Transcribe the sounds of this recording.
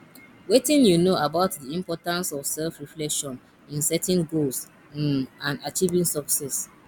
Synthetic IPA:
wetĩnjunoabaʊtdiĩmpɔtãnsɔfsɛlfɹiflɛkʃɔ̃n | ĩnsɛtɛ̃nɡols | ãnat͡ʃivĩŋsɔksɛs

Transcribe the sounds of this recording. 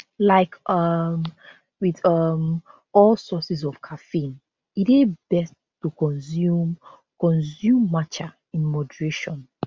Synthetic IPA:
laɪkʌm | wiðʌm | ɔlsɔsizɔv̥kʰafĩn | iteb̥ɛs | tukɔ̃nzum | kɔ̃nsjumːat͡ʃa | ĩnmɔdəɹeʃɔ̃n

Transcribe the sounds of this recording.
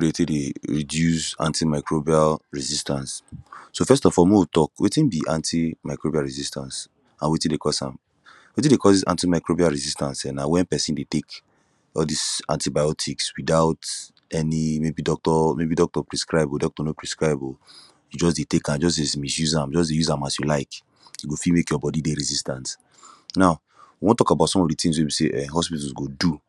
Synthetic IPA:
odetedeɹidjusã̰ntimaɪkɹobialɹizistãnssofɛstɔfɔlmiotɔkwʔetĩnbiʔãntimaɪkɹobialɹizistãns | ãnwetĩndekɔsã̰m | wetĩdekɔdisã̰ntimaɪkɹobialɹizistãnsɛnawɛ̃npɛsĩndetek | ɔldisã̰ntibajɔtʰikswidaʊt | ɛnimebidɔk̚tɔmebidɔk̚tɔpɹiskɹaɪbdɔk̚tɔnopɹiskɹaɪbul | jud͡ʒɔs̬detekãd͡ʒɔs̬desmisjuzãmd͡ʒɔs̬dejuzãmasjulaɪk | juɡofimekjɔbɔdideɾizistãns | naʊ | wiwɔ̃ntɔkabatsɔ̃mɔvditĩŋswebiseʔɛɦɔspitulsɡodu

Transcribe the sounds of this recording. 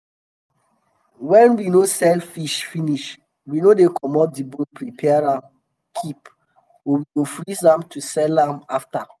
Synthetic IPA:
wɛ̃nwinosɛlfiʃfiniʃ | winodekʰɔmɔp̚dibõnpʰɹipʰɛaɾãm | kʰip | owiɡofɹisãmtʰusɛlãmafta

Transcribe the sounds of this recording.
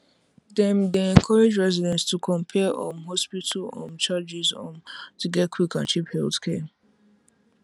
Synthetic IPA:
dɛ̃mdeɛ̃ŋkʰɔɹed͡ʒɹɛzidɛ̃nstʰukʰɔ̃mpʰɛʔɔ̰̃mɦɔspitʰəlɔ̰̃mt͡ʃad͡ʒizɔ̰̃ntʰuɡɛt̚kʰwikãnt͡ʃiphɛlθkʰɛ

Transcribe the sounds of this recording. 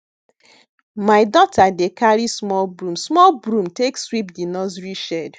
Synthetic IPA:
maɪdɔtʰadekaɹismɔlbɹũmsmɔlbɹũmtekswipdinɔzɹiʃɛd

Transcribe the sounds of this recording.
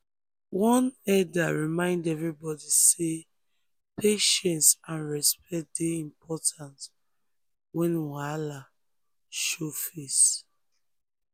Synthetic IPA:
wɔ̃nɛdaɹimãɪ̃ndɛvɹibɔdise | pʰeʃɛ̃nsãnɹɛspɛt̚d̥eĩmpʰɔtʰãnt | wɛ̃nwala | ʃofes

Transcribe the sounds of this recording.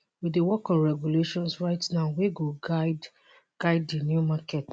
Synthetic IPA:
wiewɔkɔ̃nɹɛɡjuleʃɔ̃nsɹaɪtnaʊweɡo | ɡ̥aɪdːinjumakɛt

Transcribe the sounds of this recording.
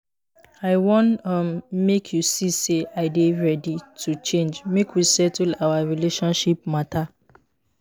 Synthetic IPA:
aɪwɔ̃nʌmmekʰjusiseaɪdeɹɛditʰut͡ʃẽnd͡ʒmekwisɛtlaaɹileʃɔ̃nʃip̚matʰa

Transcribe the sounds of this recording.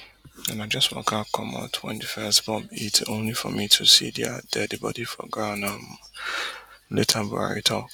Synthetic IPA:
ɛ̃nãd͡ʒaswɔ̰kʰakʰɔ̃mã̰tʰwɛ̰̃ndɨfɛsbɔ̃mitʰõʊ̃nlifɔmĩtʰusḭdia̰dɛdɨbɔ̰difɔ̰ɡanãm | letʰãba̰ɹḭtʰɔ

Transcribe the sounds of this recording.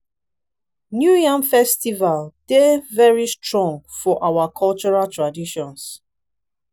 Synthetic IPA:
njujãmfɛstivald̥evɛɹistɹɔ̃ŋɡfɔʔawakʰɔlt͡ʃɔɹaltʰɹadiʃɔ̃ns

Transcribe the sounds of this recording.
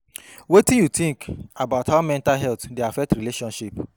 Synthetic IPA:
wetĩnjut̪ĩŋkabaʊtawamɛ̃ntalɦɛltdeafɛk̚tɾileʃɔ̃nʃip

